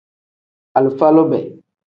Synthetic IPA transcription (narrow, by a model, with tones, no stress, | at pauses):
a˨lu˨fa˦lo˦bɛ̰˨